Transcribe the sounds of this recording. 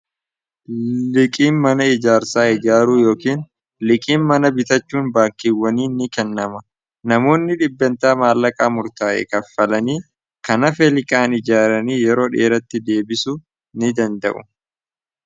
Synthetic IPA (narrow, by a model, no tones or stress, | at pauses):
lɪkʼiːnmɐnɐɪd͡ʒaːɾsaːɪd͡ʒaːɾuːjo̞ːkiːn | lɪkʼiːnmɐnɐbɪt̪ɐt͡ʃːuːnbaːkːɪwːɐniːnɪkɛnːɐmɐ | nɐmo̞ːnːɪᶑɪbːɛnt̪aːmaːlːɐkʼaːmʊɾt̪aːʔɛ̰kɐfɐlɐniː | kɐnɐfɛlɪkʼaːnɪd͡ʒaːɾɐniːjɛɾo̞ːᶑe̞̰ːɾɐt̪ːɪd̪e̞ːbɪsʊ | nɪd̪ɐnd̪ɐ̰ʔʊ̰